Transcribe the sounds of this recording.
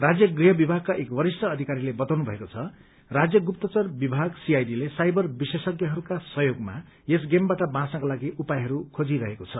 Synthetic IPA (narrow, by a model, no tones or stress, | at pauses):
rad͡zjʌɡriɦʌbibʱaɡ̚kːaʔekwʌɾistʌːd̪ʱikaɾilebʌt̪awnubʱʌ̰ekot͡sʰʌ | rad͡zjʌɡupt̪ʌt͡sʌrbibʱaɡsiajdilesajbʌrbisesʌɡjʌɦʌɾukasʌɦjoɡma̰ | es̬ɡembaʈʌbãsãkalaɡiʔupajɦʌɾukʰod͡ziɾʌɦekot͡sʰʌ